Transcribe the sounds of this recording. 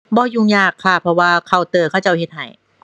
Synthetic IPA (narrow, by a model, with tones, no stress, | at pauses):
bɔː˧˩juː˧˩ŋjaː˧˩kʰːa˧˩pʰɾɔ˧waː˧kʰa˧˩wt̪ɤː˧˩kʰaː˥˩t͡ɕa˧˩whe˧˦t̪̚ɦa̰˨˩˦j